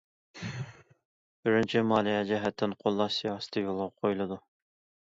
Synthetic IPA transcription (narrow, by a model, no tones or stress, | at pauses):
bɪɾɪnt͡ʃʰɪmɑːlˠijɛd͡ʒɛɦɛt̪ʰːɪnqʰolˠːɑsijɑːsɨ̥t̪ʰɨjolˠʁɑqʰojlˠɨd̪u